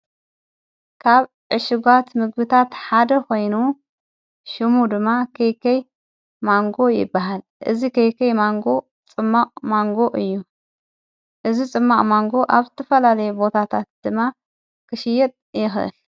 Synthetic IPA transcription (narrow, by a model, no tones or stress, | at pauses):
kʰaβ | ʕɨʃɪɡʷat̪mɨɡbɨt̪ʰat̪ħad̪ɐkʰo̞jnu | ʃɨmud̪ɨmːakʰɐjkʰɐj | maŋɡo̞jɪ̰bːaɦal | ʔɨzikʰɐjkʰɐjmaŋɡo̞ | t͡sʼɨmːaʔʼmaŋɡo̞ʔɨjːu | ʔɨzit͡sʼɨmːaʔʼmaŋɡo̞ʔaβzɨt̪ʰɐfɐlalɐjubo̞t̪ʰat̪ʰat̪̚d̪̥ɨmːa | kʰɨʃɪjːɛt̪ʼjɪxʔɨ̰l